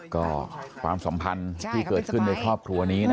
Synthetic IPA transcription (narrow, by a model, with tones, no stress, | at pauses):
kɔː˥˩kʰwa̰ː˧msa˩˦mpʰa˧nt̪ʰiː˥˩kɤː˨˩t̪̚kʰɯ˥˩nːaː˧jkʰɾɔː˥˩p̚kʰɾu˧ɐniː˦˥n˥